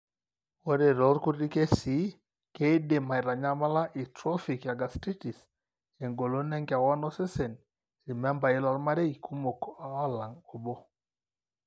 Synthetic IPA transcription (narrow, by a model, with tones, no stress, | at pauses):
wɔ˦ɾe˨ɾɔ˨˦ɾku˦ɾi˦ke˦si˨˦ | ke˦de˨ma˨i˨ɾa˨ɲa˦ma˦la˦ʔi˨tɾɔ˦fi˨kja˨ɡa˨sti˦ti˨s | ɛ˨ŋɡo˨lo˦nɛ˦ŋɡa˨wa˦nɔ˦sɛ˦sɛ˨n | ɾi˨mɛ˦mba˨i˦la˨lma˦ɾe˦i˨kʰu˦mo˨ka˨a˦la˨ŋɔ˨bɔ˦